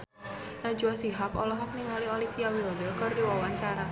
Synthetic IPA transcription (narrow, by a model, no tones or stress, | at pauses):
nad͡ʒuasiɦapɔlɔɦɔk̚niŋoliolifiawildərkərdiwawaɲt͡ʃaɾa